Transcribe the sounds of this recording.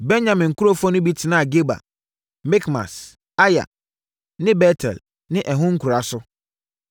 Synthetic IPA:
bɛ˦n˦ɲã˨mɪ̃˨ŋ̩˨ku˦ɾo˦fɔ˦nʊ̃˦bi˦tʰɪ˨nã˦a˨ɡe˦ba̰˨ | mɪ˦kmã̰˨s | a˦ja̰˨ | nɪ̃˦bɛ˦tʰɛ̰˨l | nɪ̃˦ʔɛ˨ɦʊ̃˦ŋ̩˦ku˨ɾa˨sʊ˦

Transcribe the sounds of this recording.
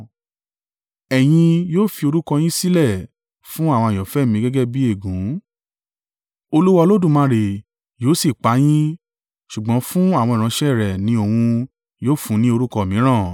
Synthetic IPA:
ɛ˨j̃ĩ˧joː˦˨fi˧o˧ɾu˦kɔ˧j̃ĩ˦si˦lɛ˦˨ | fũ˦a˦˨w̃ɔ̃˧a˨jɔ̃˨fɛ˨˦˨mĩ˧˦ɡɛ˦ɡɛ˦bi˦e˦˨ɡũ˨˦ | o˧lu˦wɔ˧lo˦dũ˦˨mã˦˧˦ɾe˨ | joː˨˦si˦˨k͡pa˨˦j̃ĩ˦ | ʃu˨ɡ͡bɔ̃˨˦fũ˦a˦˨w̃ɔ̃˧i˨ɾ̃ã˧˦ʃɛ˦˨ɾɛ˨nĩ˦o˧˨wũ˧ | joː˦˨fũ˨˦nĩ˦o˧ɾu˦kɔ˧˨mĩ˨˦ɾ̃ã˦˨

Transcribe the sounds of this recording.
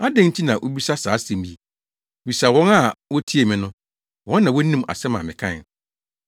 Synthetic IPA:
a˦dɛ̃˦n̩˦tʰi˦nã˨ʔo˦bi˦sa˦saː˨˦sɛ̃˨m˨i˦˨ | wi˨sa˨wɔ̃˦na˦˨wɔ˦tʰi˦e˨mɪ̃˨nʊ̃˦ | wɔ̃˦nːã˨wɔ˦nĩ˦ma̰˨sɛ˦mã˨mɪ̰̃˨kʰã̰˦˨

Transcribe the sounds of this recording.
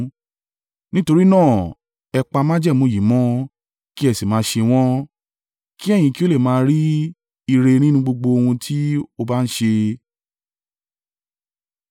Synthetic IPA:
nĩ˦to˧ɾi˦nãː˦˨ | ɛ˧k͡pa˧mã˦d͡ʒɛ˦˨mõ˨˧˨ji˨mɔ̃˨˦ | ki˦ɛ˦˨si˨mãː˨˦ʃe˧w̃ɔ̃˦ | ki˦ɛ˦˨j̃ĩ˧ki˦o˦le˦˨mãː˦˧ɾi˦ | i˧ɾe˧nĩ˦nũ˧ɡ͡bo˧ɡ͡bo˧o˧hũ˧tʰi˦o˧ba˦n̩˦ʃe˧

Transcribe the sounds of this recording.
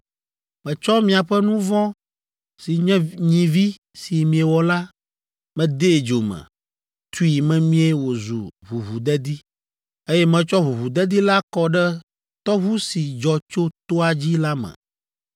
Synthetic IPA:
mɛ̃˨t͡ʃɔ˦mĩ˦a˨ɸɛ˦nũ˦vɔ̃˦ | si˨ɲɛ̃˦ɲĩ˨vi˦ | si˨mĩ˨e˨wɔ˨la˦ | mɛ̃˨d̪e˦˨d͡ʒo˨mɛ̰̃˨ | t̪u˦i˨mɛ̃˦mĩ˦e˦wo˨zṵ˨βu˨βu˨d̪ɛ˦d̪i˦ | e˦jɛ˦mɛ̃˨t͡ʃɔ˦βu˨βu˨d̪ɛ˦d̪i˦la˦kɔ˦ɖɛ˦ | t̪ɔ˦βu˦si˨d͡ʒɔ˨t͡ʃo˦t̪o˦a˨d͡ʑi˦la˦mɛ̰̃˨

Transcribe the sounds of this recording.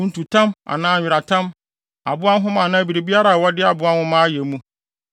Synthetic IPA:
n̩˨tu˨tʰã˦ma̰˨nãː˦˨ɪ˨ɾa˨tʰã˦m | a̰˨bʊ˦a˦n˦ɦʊ̃˦mã˨nã˦bi˨ɾe˨bi˦a˦ɾa˨wɔ˦dɪ˦a˨bʊ˦a˦nhʊ̃˦mã˦jɛ˨˦mũ˦

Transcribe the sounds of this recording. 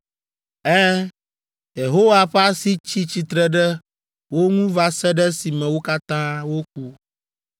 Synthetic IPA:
ɛ˦ | je˨ɦo˦wa˨ɸa˦si˦t͡ɕi˦t͡ɕi˨t̪ɾɛ˦ɖɛ˦ | wo˦ŋũ˦va˦sɛ˦ɖɛ˦si˨mɛ̃˨wo˦ka˦t̪ã˦wo˦k̚u˦

